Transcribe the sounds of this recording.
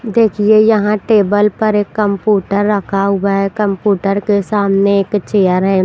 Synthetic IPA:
d̪eːkʰiejɐɦãʈeːbəlpɐɾeːkːə̃mpjuːʈəɾːɐkʰaɦʊaɦɛkə̃mpjuːʈəɾkesaːmneeːkt͡ʃeːəɾɦɛ

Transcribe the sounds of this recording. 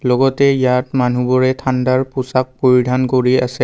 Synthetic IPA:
lɔɡɔtɛjatmanubɔɹɛtʰandaɹpʊsak̚poɹidʱankoɹia̰sɛ

